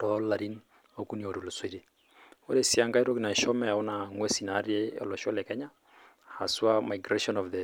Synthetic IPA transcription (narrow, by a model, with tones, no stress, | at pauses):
tɔla˨ɾi˦n | o˨ku˦ni˨o˨ɾo˨lo˨swi˦ɾe˨ | o˦ɾe˦˨si˦a˦ŋɡa˦i˦ɾo˦ki˨na˨ʃɔ˦mɛ˨a˨o˦na˨ŋwɛ˦si˨na˨˦ɾi˦e˦ɔ̰˨lɔ˨ʃɔ˦lɛ˨kɛ˦ɲa˦ | ha˨swa˦ma˨jɡɾeʃɔ˦nɔfðɛ˨